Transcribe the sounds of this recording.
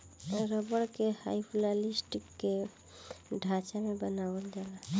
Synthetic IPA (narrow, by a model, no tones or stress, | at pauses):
ɾəbəɽkehajpʰulalisʈikːe | ɖʱat͡ʃamebənawəld͡ʒala